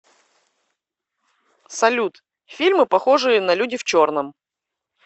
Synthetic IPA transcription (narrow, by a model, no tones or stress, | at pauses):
sɐlʲut̪ | fʲilʲmɨpɐxoʐɨjənɐlʲudʲɪft͡ɕornəm